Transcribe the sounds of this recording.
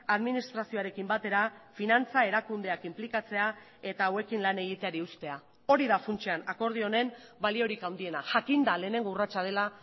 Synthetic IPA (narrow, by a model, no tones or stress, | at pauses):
aðminist̪ɾasio̞aɾe̞kimbat̪e̞ɾafinant͡sae̞ɾakund̪e̞akimplikat͡se̞a | e̞t̪aːwe̞kinlane̞ɣ̞it̪e̞aɾiust̪e̞a | o̞ɾiðafunt͡ʃeanako̞ɾð̞io̞ne̞n | balio̞ɾikawnd̪ie̞naʝakind̪ale̞ːne̞ŋɡourat͡ʃað̞e̞la